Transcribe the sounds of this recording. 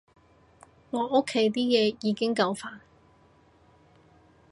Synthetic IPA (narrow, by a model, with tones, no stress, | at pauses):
ŋɔː˨˧ʔo˥kʰːe˨˥jt̪̬iː˥jɛː˨˧jiː˨˧kɪ˥ŋkɐ˧wfaː˨n